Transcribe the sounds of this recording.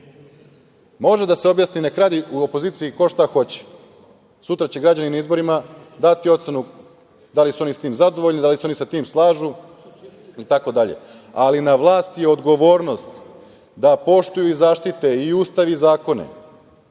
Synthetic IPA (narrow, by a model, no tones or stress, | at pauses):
mo̞ʒed̪aseo̞bjasnine̞kɾad̪iuopo̞ziːt̪siiko̞ʃt̪axo̞t͡ɕe̥ | sut̪ɾat͡ɕeɡɾad͡ʑaninaizbo̞ɾima | d̪at̪iot̪senu | d̪alisuo̞nisat̪iːmzad̪o̞ʋo̞ʎnid̪aliseo̞nisat̪iːmslˠaːʒu | it̪ako̞d̪aʎe̞̰ | alinaʋlˠaːst̪jeo̞d̪ɡo̞ʋo̞ːɾno̞st̪ | d̪apo̞ʃt̪ujuizaːʃt̪it̪e̞iuːst̪aʋizaːko̞nḛ